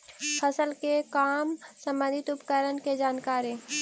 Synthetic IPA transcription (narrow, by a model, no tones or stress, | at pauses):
pʰəsəlkekaːmsə̃mbə̃nd̪ʱɪt̪ʊpkəɾənked͡ʒaːnkaːɾi